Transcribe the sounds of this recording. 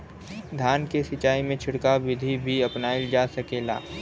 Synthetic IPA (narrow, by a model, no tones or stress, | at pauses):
d̪ʱjaːnkesɪt͡ʃaːimẽt͡ʃʰʊɽkaʋɪd̪ʱibʱiɐpnaːild͡ʒaːsɐkeːla̰ː